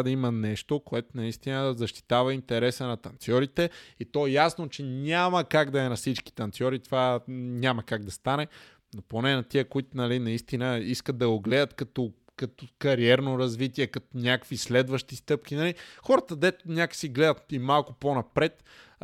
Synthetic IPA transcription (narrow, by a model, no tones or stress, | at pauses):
d̪ɐimɐnɛʃt̪okoɛt̪onɐist̪inəzɐʃt̪i̥t̪avɐint̪ɛɾɛsənɐt̪ɐnt̪sʲjɔɾit̪ɛit̪ɔɛjasnot͡ʃɛnʲaməkaɡd̪ɐɛnɐsit͡ʃki̥t̪ɐnt̪sʲjɔɾit̪ovaɲʲamɐkaɡ̚d̪ɐst̪anɛ | noponɛnɐt̪iəkoit̪ʊnɐlinɐist̪inəiskət̪̚d̪ɐɡoɡlɛd̪ət̪kɐt̪o | kɐt̪okɐɾiɛɾnoɾɐzvit̪iɛkɐt̪onʲakvislɛd̪vəʃt̪ist̪ɤp̚kʲinɐlixɔɾət̪əd̪ɛt̪onʲakə̥siɡlɛd̪ət̪imalˠkʊponɐpɾɛt̪